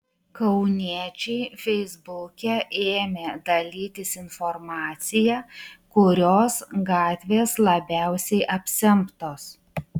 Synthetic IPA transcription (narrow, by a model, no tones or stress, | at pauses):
kɐʊnʲit͡ʃʲɛɪfʲɛɪzbʊkʲɛʔeːmʲeːd̪ɐlʲiːt̪ʲɪsɪnfɔɾmɑːt̪sʲɪjæːkʊɾʲoːsɡɑːt̪ʲʋʲeːslˠɐbʲæˑʊsʲɛɪʔɐpʲsʲɛmpt̪oːs